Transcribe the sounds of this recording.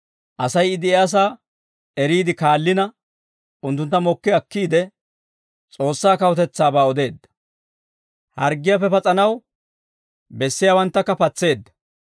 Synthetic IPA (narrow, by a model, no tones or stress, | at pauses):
ʔɐsɐjɪd̪ɪɛas̬aː | ɛɾiːd̪ɪkaːlːɪnɐ | ʊnt̪̬ːʊnt̪ːɐmɔkːɪɐkːiːd̪ɛ | t͡sʼo̞ːsːaːkɐwɔt̪ɛt͡sːaːbaːɔd̪e̞ːd̪ːɐ̥ | hɐɾɡɪjapːɛpɐt͡sʼɐnɐw | bɛsːɪjaːwɐnt̪ːɐkːɐpɐt͡sːe̞ːd̪ːɐ̥